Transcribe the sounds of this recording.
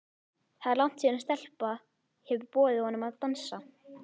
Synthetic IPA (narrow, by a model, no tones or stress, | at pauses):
θaðaɾlawn̥t̪siːnst̪ɛl̥pa | hɛvʏɾpɔːðɪhɔnːʏmaðt̪ansa